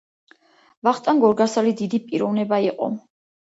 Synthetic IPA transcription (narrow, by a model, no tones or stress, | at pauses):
vaχt̪ʼanɡɔɾɡasalid̪id̪ipʼiɾɔvnɛbaiqʼɔ̰